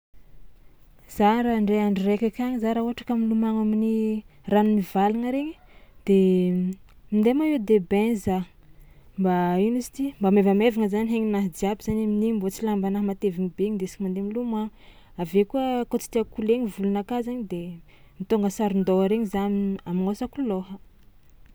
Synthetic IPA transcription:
z̥aɾaɳɖ͡ʐeaɳɖ͡ʐirekʲakʲaɲizaɾauɦaʈ͡ʂḁkamilumaŋaminiranumivalaŋəɾeɲi̥d̪̥e | mind̪emaed̪ebɛnza | mbainusi̥t̪imbamevamevaŋəzaniɦeɲinaɦd̪iabiz̥anaminimbot͡silambanaɦmat̪eviŋibeɲind̪esi̥kmand̪emilumaŋ | avekuəkot͡si̥t̪iakuleɲivulunakazaɲid̪e | mit̪oŋɡəsaɾind̪oaɾeɲizanamiŋosakuloɦə

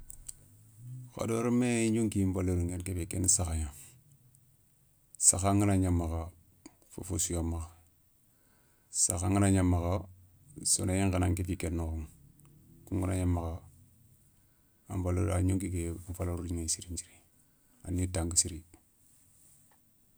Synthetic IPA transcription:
ka̰doɾmeɲuŋkimbaloɾuŋenkefekenisaxaɲa | saxaŋinaɲamːaka | fo̰fosujomaka | saxaŋənaɲamːaka | so̰najeŋkanaŋkefikenːokuŋ | kuŋɡunaɲamːaka | ambaloɾaɲuŋkikefaloɾuliŋesiɾiɲt͡ʃiɾi | a̰nːitaŋkisiɾi

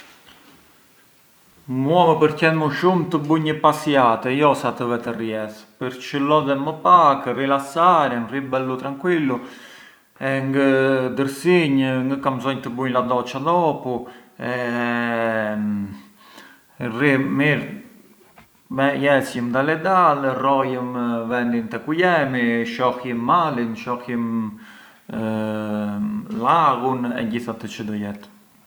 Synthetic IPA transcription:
muɔməpəɾcɛnməʃumt̪əbuɲəpasjat̪ɛjɔsat̪əvɛt̪ɛrjɛspəɾt͡ʃəlɔðɛməpakrilasaɾɛnribɛlut̪ɾaŋkwilːu | ɛŋɡəd̪əɾsiɲŋɡəkamzɔɲt̪əbuɲlad̪ɔt͡ʃad̪ɔpuɛ | rimiɾ | mɛjɛsjəmd̪alɛd̪alrɔjəmvɛnd̪int̪ɛkujɛmiʃɔkəmːalinʃɔkim | laɣunɛ̰ɲɟiθat̪ət͡ʃəd̪ɔjɛt̪

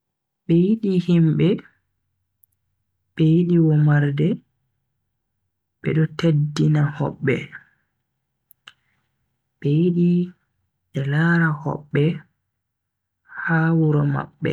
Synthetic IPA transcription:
ɓɛjiɗihimɓɛ | ɓ̥ɛjiɗiwɔmaɾdɛ | ɓɛ̰ɗɔtedːinahɔ̰ɓːɛ | ɓɛjiɗi | ɗɛlaːɾahɔ̰ɓːɛ | haːwuɾɔma̰ɓːɛ̰

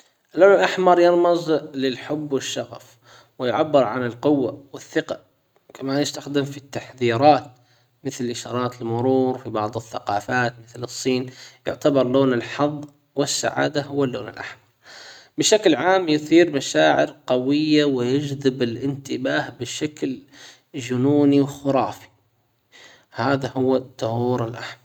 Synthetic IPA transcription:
ʔɪlːoːnɪlʔaħmɑɾˤjɪɾmɨzˤlɪlħʊbːwɪʃːɑɣaf | wɪjʕabːɪɾˤʕa̰nɪlqʊwːa̰wɪθːɪqɑ | kʰamaːnjɪst̪axd̪ɪmfit̪ːaħðiːɾˤɑːt̪̚ | mɪθlʔɪʃɑːɾˤɑːt̪ɪlmʊɾuːɾfibɑʕðˤɨθːaqɑːfaːt̪mɪθlɨsˤːiːnjʊ̰ʕt̪abɑɾˤloːnɪlħɑðˤː | wɪsːa̰ʕa̰ːd̪aɦʊwːalːoːnɪ̰lʔaħmɑɾˤbɪʃaklʕaːmjʊθiːɾmaʃaːʕɪ̰ɾqɑwɪjːawɪjɪd͡ʒðɪbɪlʔɪnt̪ɪbaːhbɪʃakl | d͡ʒʊnuːniwxʊɾˤɑːfi̥ | haːðahʊwːat̪ˤːʊhuːɾɪlʔaħmɑɾˤ

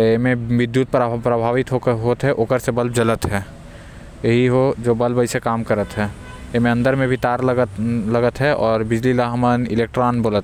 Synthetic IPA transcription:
emẽʋɪd̪ːjuːt̪̚pɾpɾəbʱaːʋɪt̪ɦokɦoːt̪ɦɛʔokəɾsebəlbd͡ʒələt̪ɦɛː | jəɦiɦod͡ʒoːbəlbəɪsekaːmkəɾət̪ɦɛː | jemẽɐ̃nd̪əɾmẽbʱit̪aːɾləɡələɡət̪ɦɛʔɔːɾbɪd͡ʒlilaɦmənɪleːk̚ʈɾaːnboːlət̪

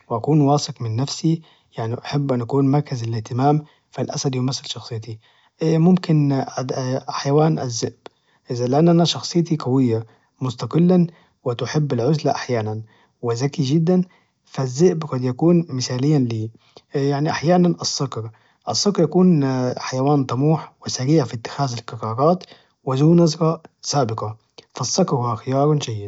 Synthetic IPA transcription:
wɪʔakuːnwɑːsɨqmɪnːafsi | jaʕniʔaħabːʔanʔakuːnmɑɾˤkazɪlɪht̪ɪmaːm | falʔa̰sad̪jʊmasːɪlʃɑxsˤɨjːt̪i | ʔmʊmkɪnad̪ħajawaːnʔɪzːɪʔb̥ | ʔɪzalɪʔanːʔanaʃɑxsˤɨjːt̪iqawɪjːa | mʊst̪ɑqɨlːan | wɪt̪ʊħɪbːɪlʕʊzlaʔaħjaːnan | wɪzakid͡ʒɪd̪ːan | fazːɪʔbqɑd̪jakuːnmɪsaːlɪjːanliː | jaʕniʔaħjaːnanʔɑsːʊkɾ | ʔɑsˤːʊkɾjakuːnħajawaːnt̪ˤɑmuːħwɪsaɾiːʕfit̪ːɪ̥xaːzɪlkɑɾɑːɾɑːt̪ | wɪzuːnɑzɾɑsaːbɪqɑ | fɑsˤːɑkɾhʊwaxɪjɑːɾˤnd͡ʒajːɪd̪

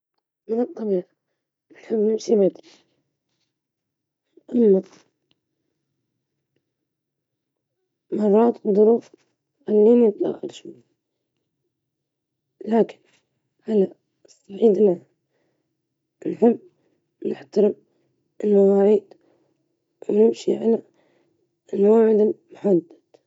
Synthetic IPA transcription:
mɪnɨt̪ˤːɑbiːʕa | nħɪbːnɪmsibeːt̪l | ʔamːa | mɑrˤːɑːt̪d̪ˤʊɾuːf | alːiːnjɪt̪ˤla̰ɣʕa̰lʃma | laːkɪ̥n | ʔala | sˤːaʕiːd̪la | nħɪmː | nɪħt̪aɾɪm | ɪlmaɣɑːɾiːd̪ | wnɪmʃiʕala | ɪlwaːʕɪd̪mʊħad̪ːad̪̥

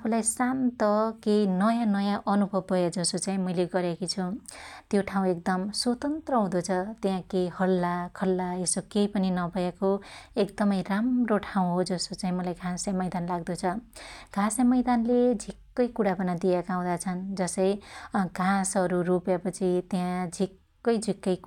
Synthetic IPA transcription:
apʰulajsant̪ʌkejnʌjãnʌjãʔʌnubʱʌbʱʌjad͡zʌsot͡saĩmʌjleɡʌɾjakit͡sʰut̪joʈʰaw̃ek̚d̪ʌmswot̪ʌnt̪rʌɦũd̪ot͡sʰʌt̪ejãkejhʌlːakʰʌlːaesokejpʌninʌbʱʌjekoekd̪ʌmʌjramroʈʰaw̃ɦod͡zʌsot͡saĩmʌlajɡʱãsjamʌjd̪anlaɡd̪ot͡sʰʌɡ̥ʱãsjamʌjd̪anled͡zʱikːʌjkuɽabʌnad̪ijakaw̃d̪at͡sʰʌnd͡zʌsʌjɡʱãsʌɾurupjapʌt͡sʰit̪eãd͡zʱikː | ʌjd͡zʱikːʌj

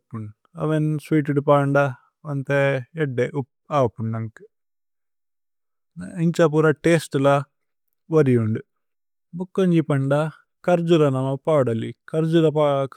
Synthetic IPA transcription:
pːuɳ | ɐ̰ʋensʋiːʈ̬iɖupaːɳɖa | ɐnt̪eeɖːeʔup | aːpːuɳɐŋk | iɲt͡ʃap̬uːɾaʈeːsʈulɐ | ʋɐɾijuɳɖu | bukːɐɲd͡ʒipɐɳɖa | kɐɾd͡ʒuɾɐnɐmɐpaːɽɐlikɐɾd͡ʒuɾɐpa

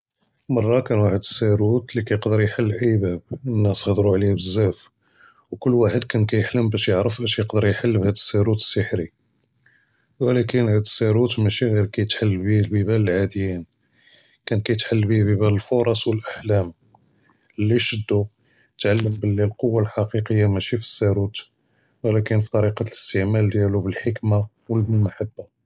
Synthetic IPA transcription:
mɑrˤːɑkænwaħəd̪əsːæɾut̪likæjəqd̪əɾjħalːʔəjbæb̚ənːæsɣd̪ɾuʕlihbəzːæf | wkʊlːwaħəd̪kænkæjəħləmbæʃjəʕɾəfʔæʃjəqd̪əɾjħalːbhæd̪əsːæɾut̪ə̥sːəħɾi | wəlækənhæd̪əsːæɾut̪mæʃiɣiɾkæjət̪ħalːbilbibæləlʕad̪əjin | kænkæjət̪ħalːbibibæləlfoɾˤɑsˤwəlʔaħlæm | əlːiʃəd̪ːu | ət̪ʕalːəmbəlːilqowːalħɑqiqəjːamæʃifi̥sːæɾut̪ | wəlækənfit̪ˤɑɾiqɑt̪ləst̪əʕmæld̪jælubəlħəkma | wəlbəlmaħabːa

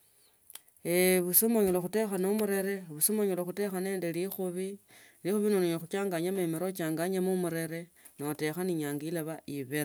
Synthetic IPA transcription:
eβusomoɲoloxute̞xanomuɾeɾeβusomoɲoloxute̞xane̞ːndelixuβi | lixuβinonoɲoxut͡ʃaːŋɡaɲamemeɾot͡ʃaːŋɡaɲamumuɾe̞ɾe | note̞xaniɲaːŋɡilaβaiβeɾa

